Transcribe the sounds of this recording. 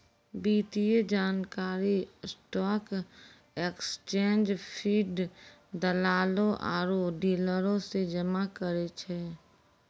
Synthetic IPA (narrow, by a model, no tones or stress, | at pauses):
biːt̪ied͡ʒaːnkaːɾisʈɔːk | ekst͡ʃẽːnd͡ʒpʰiːɖd̪əlaːlõʔa̰ːɾoɖiːləɾõsed͡ʒəmakəɾet͡ʃʰɛː